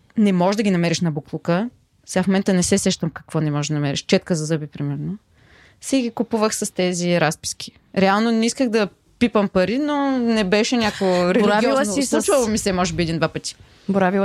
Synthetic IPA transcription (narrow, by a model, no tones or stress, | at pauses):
nɛmɔʒd̪ɐɡʲinɐmɛɾiʃnɐbuklˠukə | sɛɡafmomɛnt̪ənɛsɛsɛʃt̪əmkɐ̥kvɔnɛmɔʒd̪ɐnɐmɛɾḭʃt͡ʃɛt̪kəzɐzɤbipɾimɛɾno | sɛɡikupuvəxsɐst̪ɛziɾaspi̥sk̟ʰʲi̥ | ɾɛalˠnonɛiskəxd̪ɐ | pipəmpɐɾinonɛbɛʃɛnʲakoɡoɾɛlɾiiɔznoslˠut͡ʃvɐlˠomisɛmɔʒɛbiɛd̪ind̪vapət̪i̥ | boɾavi